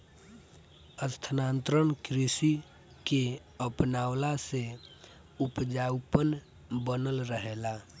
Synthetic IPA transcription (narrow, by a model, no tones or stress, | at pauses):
əst̪ʰənaːnt̪ɾənkɾisi | ke | əpnaːwlase | upd͡ʒawpən | bənəlɾəɦela